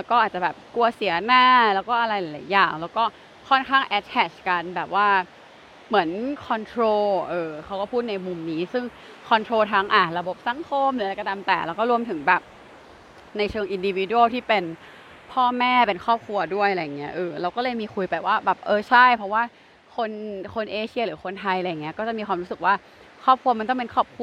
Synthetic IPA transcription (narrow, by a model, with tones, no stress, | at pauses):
lɛː˦˥wkɔː˥˩ʔaː˨˩t͡ɕa˨˩bɛː˨˩p̚ku˧ɐsi˨˩˦naː˥˩lɛː˦˥wkɔː˥˩ʔa˧ɾa˧jla˨˦la̰ː˨˦jːaː˨˩ŋlɛː˦˥wkɔː˥˩ | kʰɔ˥˩nkʰaː˥˩ŋʔɛ˦˥t̪̚ʰɛ˨˩t͡ɕka˧nbɛː˨˩p̚waː˥˩ | mɯ˩˦ənkʰɔ˧nt̪ʰɾoː˧ʔɤː˧kʰa˦˥wkɔː˥˩pʰuː˥˩t̪̚na˧jmu˧mniː˦˥sɯ˥˩ŋ | kʰɔ˧nt̪ʰɾoː˧t̪ʰaː˦˧ŋʔaː˨˩ɾa˧bo˨˩p̚sa˨˩˦ŋkʰo˧mnlɯ˨˦˧ka˧˩ta˧mt̪ɛː˨˩lɛː˦˥wkɔː˥˩ɾu˧əmt̪ʰɯ˩˦ŋbɛː˨˩p̚ | na˧jt͡ɕʰɤː˧ŋʔi˧ndi˧wi˧˦du˧˥˦lt̪ʰiː˥˩pe˧n | pʰɔː˥˩mɛː˥˩pe˧nkʰɔː˥˩p̚kʰɾu˧ɐdu˥˩əjʔa˨a˧jːa˨˩ŋːi˦˥ɐʔɤː˧˩ɾa˧wkɔː˥˩lɤː˧jmiː˧kʰu˧jpa˧˨˩waː˥˩bɛː˨˩p̚ʔɤː˧t͡ɕʰa˥˩jpʰɾɔ˦˥waː˥˩ | kʰo˧nkʰo˧nʔeː˧t͡ɕʰi˥˧ɾɯː˩˦kʰo˧nt̪ʰa˧jla˧jaː˨˩i˦˥ɐkɔː˥˩t͡ɕa˨˩ʔmiː˧kʰwaː˧mɾuː˦˥sɯ˨˩k̚waː˥˩ | kʰɔː˥˩p̚kʰu˧ɐm˧nt̪ɔ˥˩pe˧nkʰɔː˥˩p̚kʰu˧